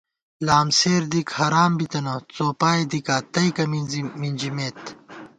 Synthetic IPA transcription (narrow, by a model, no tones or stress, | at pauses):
laːmseːɾd̪ikhɐɾaːmbit̪ɐnɐt͡soːpaːed̪ikaːt̪ɐjkɐminzimind͡ʑimeːt̪